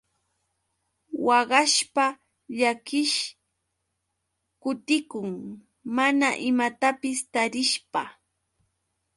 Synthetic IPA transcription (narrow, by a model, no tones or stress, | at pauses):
wɑɢɑʃpa | ʎakɪʃ | kʊt̪ɪkʊŋ | manaʔɪmat̪apɪst̪aɾɪʃpa